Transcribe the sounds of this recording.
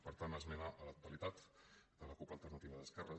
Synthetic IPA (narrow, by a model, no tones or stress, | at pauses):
pəɾt̪anəzmənaʔələk̚t̪uəlit̪at̪d̪̥ələkupəlˠt̪ərnət̪iβəðəskɛrə